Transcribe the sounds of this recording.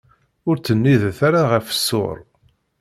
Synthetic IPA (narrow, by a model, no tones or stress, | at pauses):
ʊɾt͡sːənːiðθaɾaʁəfə̥sːʊ̰ɾˤ